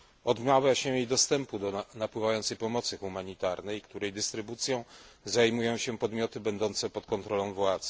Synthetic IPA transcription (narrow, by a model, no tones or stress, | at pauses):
ɔd̪mavʲjaɕɛjijd̪ɔst̪ɛmpud̪ɔnapwɘvajɔnt̪sɛjpɔmɔt̪sɘxumaɲit̪aɾnɛjkt̪uɾɛjd̪ɘst̪ɾɘbut̪sʲjɔ̃w̃zajmujɔ̃w̃ɕɛpɔd̪mʲjɔt̪ɘbɛnd̪ɔnt̪sɛpɔt̪kɔnt̪ɾɔlɔ̃w̃vwat̪z